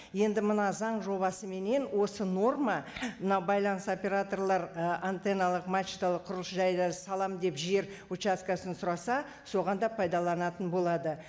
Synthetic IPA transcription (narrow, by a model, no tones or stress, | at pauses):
je̞nd̪ɪmənɑzɑɴʒo̞βɑsəme̞ne̞nwo̞səno̞rmɑmənɑwbɑjlˠɑnəst̪opʲe̞ɾat̪o̞rlˠɑɾəant̪enalˠəqmat͡ʃit̪alˠəqʰːʊɾlˠəsʒɑjd̪ɑsɑlˠɑmd̪e̞pʒe̞ɾ | ut͡ʃaskasənsʊɾɑsɑ | so̞ʁɑnd̪ɑpʰɑjd̪ɑlˠɑnɑt̪ənbo̞lˠɑd̪ə